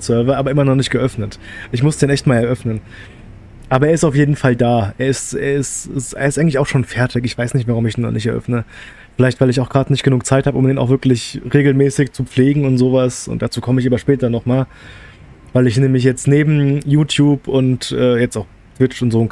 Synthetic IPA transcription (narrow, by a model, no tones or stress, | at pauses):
sœɐvɐʔaːbɐʔɪmɐnɔχnɪçtɡ̥əʔœfnətʔɪçmʊsd̥eːnʔɛçt̚maːlɛɐʔœfnən | ʔaːbɐʔeːɐɪstaʊfjeːdn̩faldaːʔeːɐɪstḛːɐɪstɪsʔḛːɪstaɪɡŋ̩lɪçaʊxʃoːnfɛɐtʰɪkɪçv̥aɪsnɪçtv̥aʁ̞ʊmɪçd̥eːnɔ̰χnɪçtɛɐʔœ̰fnə | fɪlaɪçtv̥aɪlɪç̬aʊxɡ̥ʁaːtnɪçtɡ̥ənuːk̚t͡saɪthabəʊmdeːnʔaʊxvɪɐklɪçʁeːɡl̩mɛːsɪçt͡sup͡fleːɡŋ̩ʊntz̥oːvasʊ̰nt̚d̥at͡suːkʰɔməɪçaːbɐʃpɛːtɐnɔχmaːl | vaɪlɪç̬neːməmɪçjɛt͡stneːbm̩juːtʰjuːpʊntʔɛːjɛt͡staʊx | tv̥ɪt͡ʃʊntz̥oː